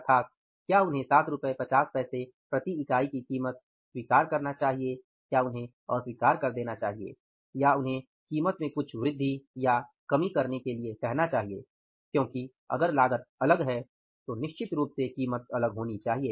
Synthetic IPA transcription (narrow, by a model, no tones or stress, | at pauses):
t̪ʰaːk̪̚ | kjaːʊnɦẽsaːt̪ʰɾʊpepɐt͡ʃaːspɛːse | pɾɐt̪iɪkaːikikiːmət̪̚ | swiːkaːɾkɐɾnat͡ʃaːɦie | kjaʊnɦẽ | ɔːɾswiːkaːɾkɐɾd̪eːnat͡ʃa̰ːɦiḛ | jaʊnɦẽ | kiːmət̪mẽkʊt͡ʃʰʋɾɪd̪ʱːijakɐmikɐɾnekeliekɛɦnat͡ʃaːɦiḛː | kjõːki | ɐ̰ɡəɾlaːɡət̪̚ɐləɡɦɛ | t̪onɪʃt͡ʃɪt̪ɾuːpsekiːmət̪̚ɐləɡɦoːnit͡ʃaːɦieː